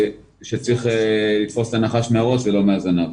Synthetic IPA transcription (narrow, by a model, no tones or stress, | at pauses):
ʃet͡sʁiχelit̪fo̞st̪anaχaʃmeaʁo̞svelo̞meazanov